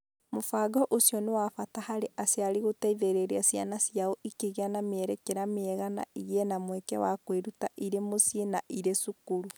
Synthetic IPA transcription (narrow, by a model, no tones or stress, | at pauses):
mofaɡɔʔosijɔnewafatahaɾeʔaseaɾiɣotaiðeɾeɾeasianasijaɔʔikeɣeanamɛɾɛkɛɾameɛɣana̰iɣeɛnamwɛkɛ̰wakweɾutaʔiɾemosienaʔiɾesukuɾu